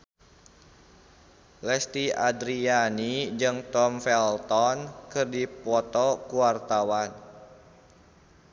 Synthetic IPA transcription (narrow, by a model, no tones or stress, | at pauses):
lɛst̪iadɾianid͡ʒɨŋt̪ɔmfɛlt̪ɔnkɨrdipɔt̪ɔkuwart̪awan